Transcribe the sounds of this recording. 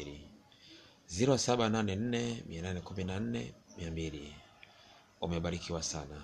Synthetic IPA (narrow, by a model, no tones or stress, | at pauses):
li | ziɾɔsaɓananɛn̩nɛmiananɛkuminan̩nɛ̰miambili | umɛɓaɾikʰiwasana